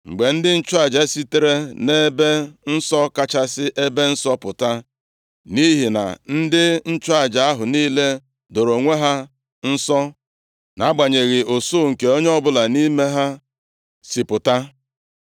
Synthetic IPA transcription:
ŋ͡m̩˨ɡ͡be˨n̩˦dɪ˦n̩˦t͡ʃʊ˦a˨d͡ʒa˨e˦si˦te˦ɾe˦ne˦be˦n̩˦sɔ˦ka˦t͡ʃa˦sɪ˦ʔe˦be˦n̩˦sɔ˦pʊ˨ta˦ | ni˦ɦi˨na̰˨n̩˦dɪ˦n̩˦t͡ʃʊ˦a˦˨d͡ʒa˨a˦ɦʊ˨ni˦le˦ | do˨ɾo˨ŋʷe˦ɦa˦ | n̩˦sɔ˦ | na˦ɡ͡ba˨ɲe˨ɣɪ˨o˨so˦˨ŋ̩˨ke˨o˦ɲe˦ɔ˦bʊ˦la˨ni˦me˦ɦa˦ | si˨pʊ˨ta˦

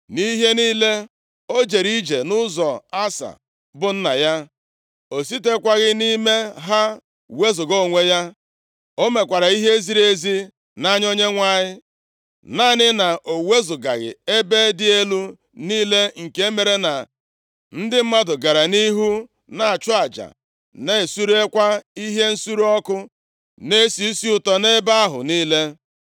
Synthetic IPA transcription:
ni˦ɦe˦niː˦le˦ | o˦d͡ʒe˨ɾi˦d͡ʒe˨nʊ˦zɔ˨a˦sa̰˨ | bʊ˦n̩˦na˨ja˦ | o˨si˦te˦kʷa˦ɣɪ˦ni˦me˦ɦa˦ | we˦zʊ˨ɡo˦˨ŋʷe˦ja˦ | o˦me˨kʷa˨ɾa˨i˦ɦe˦zi˦ɾe˦zi˦ | na˦ɲ˦o˦ɲe˦ŋʷa˦˨ɲɪ˦ | na˦nɪ˦na˨ʔo˨we˦zʊ˨ɡa̰˨ɣɪ̰˨e˦be˦dɪ˦e˦lu˦ | niː˦le˦ŋ̩˨ke˦me˨ɾe˦na˨ | n̩˦dɪ˦m̩˦ma˦dʊ˨ɡa˨ɾa˨ni˦ɦu˦ | na˨a˨t͡ʃʊ˦a˨d͡ʒa̰˨ | ne˦˨su˦ɾe˦kʷa˦i˦ɦe˦n̩˦su˦ɾu˦ɔ˦kʊ˦ | ne˦si˨i˦si˦ʊ˨tɔ˦ne˦ba˦a˦ɦʊ̰˨niː˦le˦

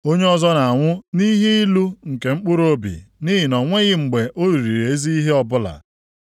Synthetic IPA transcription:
o˦ɲe˦ɔ˦zɔ˦na˨a˨ŋʷʊ˦ni˦ɦe˦i˦lu˦ŋ̩˨ke˨ŋ͡m̩˦k͡pʊ˦ɾo˦bḭ˨ni˦ɦɪ˨nɔ˨ŋʷe˦ɣɪ˦ŋ͡m̩˨ɡ͡be˨ʔo˦ɾi˨ɾi˨ɾe˨e˦zi˦i˦ɦe˦ɔ˨bʊ˦la̰˨

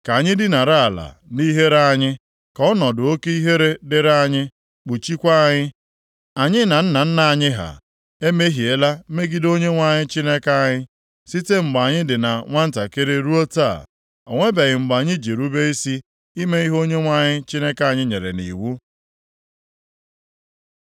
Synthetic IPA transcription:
ka˨ɲɪ˦dɪ˦na˨ɾa˦a˨la̰˨ni˦ɦe˦ɾa˦˨ɲɪ˦ | kɔ˦nɔ˨dʊ˨o˦ke˦i˦ɦe˦ɾe˦dɪ˨ɾa˦˨ɲɪ˦ | k͡pu˨t͡ʃi˦kʷa˦a˦˨ɲɪ˦ | a˨ɲɪ˦na˨n̩˦na˨n̩˦na˨a˨ɲɪ˦ɦa̰˨ | e˦me˦ɦi˨e˦la˦me˦ɡi˦do˦ɲe˦ŋʷa˦ɲɪ˦t͡ʃi˦ne˦ka˦a˦˨ɲɪ˦ | si˦te˦ŋ͡m̩˨ɡ͡ba˨ɲɪ˦dɪ˨na˨ŋʷa˦n̩˦ta˨ke˦ɾe˦ɾu˦o˦ta̰˦˨ | o˨ŋʷe˦be˨ɣɪ˨ŋ͡m̩˨ɡ͡ba˨ɲɪ˦d͡ʒe˨ɾu˦be˦i˦si˦ | i˦me˦i˦ɦo˦ɲe˦ŋʷa˦ɲɪ˦t͡ʃi˦ne˦ka˦˨ɲɪ˦ɲe˨ɾḛ˨nḭ˨wu˦

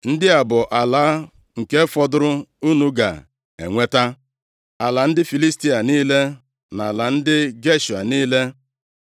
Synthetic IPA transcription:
n̩˦dɪ˦a˨bʊ˨ʔa˨la˨˦ | ŋ̩˨ke˦fɔ˦dʊ˦ɾʊ˦u˦nu˦ɡa̰˨ | ḛ˨ŋʷe˦ta˦ | a˨la˨n̩˦dɪ˦fi˨li˦sti˦a˨niː˦le˦ | na˨la˨n̩˦dɪ˦ɡe˦ʃu˨a̰˨niː˦le˦

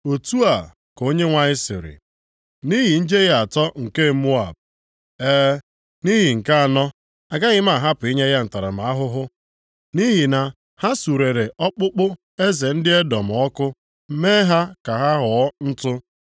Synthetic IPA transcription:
o˨tu˦a˨ | ko˦ɲe˦ŋʷa˨ɲɪ˦sɪ̰˨ɾɪ̰˨ | ni˦ɦi˨n̩˦d͡ʒe˦ɣa˨tɔ˦ŋ̩˨ke˦˨˦mu˦a˨b̚ | eː˦ | ni˦ɦi˨ŋ̩˨ka˦a˨nɔ˦ | a˨ɡa˦ɣɪ˦m˦a˦˨ɦa˦pʊ˨i˦ɲe˦ɣja˦n̩˨ta˨ɾa̰˨ma˨a˦ɦʊ˦ɦʊ˦ | ni˦ɦi˨na˨ | ha˦su˨ɾe˨ɾe˨ʔɔ˦k͡pʊ˦k͡pʊ˦ | e˦ze˨n̩˦dɪ˦e˦dɔ˨m̩˨ɔ˦kʊ˦ | m̩˦me˦ɦa˦ka˨ɦa˦ɦʊ˨ɔ˦n̩˦tʊ˦

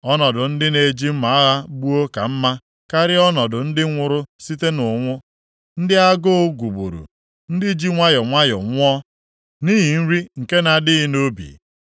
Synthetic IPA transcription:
ɔ˦nɔ˨dʊ˨n̩˦dɪ˦ne˨d͡ʒi˦m̩˦ma˨a˦ɣa˦bu˦o˦ka˨m̩˦ma˦ | ka˦ɾɪ˦ɔ˦nɔ˨dʊ˨n̩˦dɪ˦ŋʷʊ˨ɾʊ˦si˦te˦nʊ˨ŋʷʊ˦ | n̩˦dɪ˦a˦ɡo˦ɡʷu˨bṵ˨ɾṵ˨ | n̩˦dɪ˦d͡ʒi˦ŋʷa˦jɔ˨ŋʷa˦jɔ̰˨ŋʷ˦ɔ˦ | niː˦ɦi˨n̩˦ɾi˦ŋ̩˨ke˦na˨dɪ˦ɪ˦no˦bḭ˨

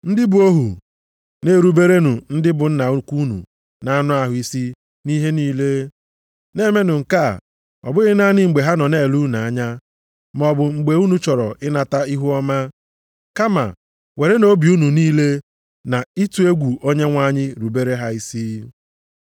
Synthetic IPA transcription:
n̩˦dɪ˦bʊ˨o˦ɦṵ˨ | ne˨˦˨ɾu˨be˦ɾe˦nu˨n̩˦dɪ˦bʊ˨n̩˦na˨˦ku˦nṵ˨ | na˨˦nʊ˦a˦ɦʊ˨˦i˦si˦ | ni˦ɦe˦niː˦le˦ | ne˦me˦nʊ˨ŋ̩˨ka̰˦˨ | ɔ̰˨bʊ˦ɣɪ˦na˦ɲɪ˦ŋ͡m̩˨ɡ͡be˨ɦa˦nɔ˨ne˦˨lu˦na˨a˦ɲa˦ | m˨ɔ˨bʊ˨ŋ͡m̩˨ɡ͡be˨u˦nu˦t͡ʃɔ˨ɾɔ̰˨ɪ˦na˨ta˦i˦ɦu˦ɔ˦ma˦ | ka˦ma̰˨ | we˨ɾe˦no˦bi˨u˦nu˨niː˦le˦ | na˨i˦tu˦e˦ɡʷu˨o˦ɲe˦ŋʷa˦˨ɲɪ˦ɾu˨be˦ɾe˦ɦa˦i˦si˦

